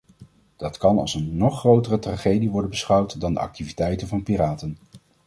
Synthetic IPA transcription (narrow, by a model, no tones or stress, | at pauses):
d̥ɑtkɑnɑ̰lˠsənːɔχːrowtərətraːχejdiʋɔɹdənbəsχʌwtdɑndə̰ɑ̰k̚tivitɛjtənvɑnpiraːtən